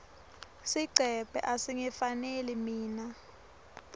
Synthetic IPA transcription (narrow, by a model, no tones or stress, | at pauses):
siǀʱɛb̥ʱɛ̰ʔasiŋɛfanelɛmiːna